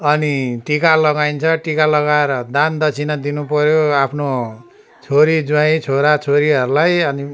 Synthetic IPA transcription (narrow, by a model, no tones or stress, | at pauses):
ʌniʈikalʌɡajnt͡sʰʌʈikalʌɡaeɾʌd̪and̪ʌt͡sʰinad̪inupʌɾjoapʰno | t͡sʰoɾid͡zwaĩt͡sʰoɾat͡sʰoɾiʌɾulajʌni